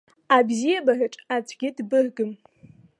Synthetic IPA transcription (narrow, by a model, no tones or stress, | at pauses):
abzijabaʕʷᶣʊʈ͡ʂʼat͡sʷʰʼɡʲɪdbɨʕʷɡɨm